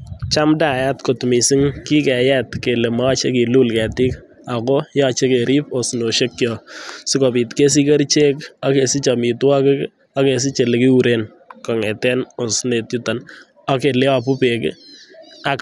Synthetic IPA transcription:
t͡ʃa˦mda˦˨ja˦tko˨tmi˨si˦ŋki˦kɛ˨jɛ˦tke˨le˨ma˦t͡ʃe˦ki˨lu˦lkɛ˨ti˦k | a˨ko˦jɔ˦t͡ʃe˦ke˨ɾʔi˦po˨sno˨ʃe˦kjɔ˨si˦kɔ˨pi˨tke˦s̬i˦ke˦ɾt͡ʃe˦ka˦ke˨si˦t͡ʃa˨mi˨twa˦kɪ˦k | a˦ke˨s̬i˦t͡ʃe˨le˨ki˦u˨ɾe˦n | kɔ˨ŋɛ˨tɛ˦no˨sne˨tju˦ta˨n | a˦ke˨le˦wa˨pu˦pe˨kɪ̰˦ | a˨

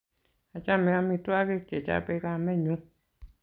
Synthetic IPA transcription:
a˨t͡ʃa˦˨mẽ˧a˧mĩ˧tu˦a˦ke˦ke˨t͡ʃa̰˦˨pe˧˦ka˦˧˨mɛ̃˦˨ɲũ˨˦

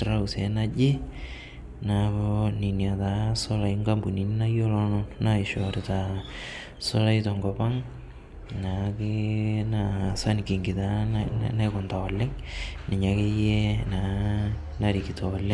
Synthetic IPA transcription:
ɾa˦u˨sɛ˨˦na˦d͡ʒɪ˦ | na˨koni˨ni˨a˨ta˨˦sɔ˦la˨iŋɡa˦mbu˨ni˨ni˦na˦jo˦lɔ˦nɔ˦na˦ɪ˨ʃɔ˨ɾɪ˨ta˨ | sɔ˦la˦jtɔ˨ŋɡɔ˨pa˦ŋ | na˨kɪ˦na˨sa˦n˨ki˨ŋɡi˨ta˨˦na˦kʊ˨nta˨ɔ˨lɛ˦ŋnɪ˨ɲa˨ke˦je˦na˨ | na˦ɾi˨ki˨tɔ˨ɔ˨lɛ˦ŋ

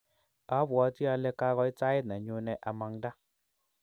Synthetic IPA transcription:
a˨˦bwa˨˦ti˦a˧lɛ˧ka˧˦ɣɔ˧i˦t͡sa˦ɪ˦tna˨ɲu˨˧nɛ˨ʔa˨ma˨ŋda˦

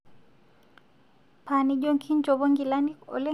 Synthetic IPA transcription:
pʰaniɟoŋkʰi˦ɲd͡ʒɔ˨bɔ˦ŋɡi˨la˦ni˦kɔ̰˨lɛ˦

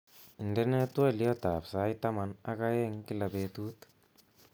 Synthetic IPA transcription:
i˨ndɛ˦nɛ˦t̪wɛ˦˨ljɔ˦t̪a˨psa˦jt̪a˦ma˨na˦ka˦jɛ˦ŋki˦la˨bet̪u˦t̪

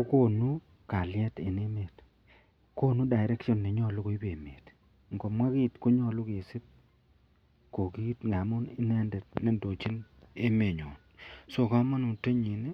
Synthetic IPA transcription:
o˦ko˦nu˦ | ka˨ljɛ˦te˨ne˦me˨t | ko˦nu˦da˨ɪ˨ɾɛ˦kʃɔ˦nːe˨ɲɔ˦˨lʊ˦ko˨˦i˦be˨me˨t | ŋɡo˨mwa˦ki˦tko˦ɲɔ˦˨lʊ˦ke˨sɪ˦t̚ | ko˨ki˦tŋa˨mʊ˦nɪ˦nɛ˦ndɛ˨tne˦ndo˨t͡ʃi˦ne˦me˨ɲo̰˨n | so˦˨ka˦ma˦no˨te˦ɲi˨ni˦

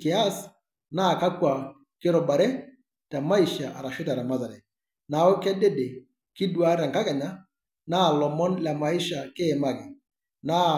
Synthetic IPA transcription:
kɪ˨a˦s | na˦˨ka˦kwa˨ | kɪ˦ɾɔ˨ba˨ɾɛ˦ | ta˨ma˦i˨ʃa˨ʔa˨ɾa˨ʃɪ˦ta˨ɾa˨ma˦za˨lɛ˨ | na˨˦o˦kɛ˦de˦de˨ | kɪ˦dwa˦ɾɛ˨ŋka˦kɛ˨ɲa˦ | na˦˨lɔ˨mɔ˦nla˨ma˨i˦ʃa˨ke˦˨ma˨kɪ˨ | na˦

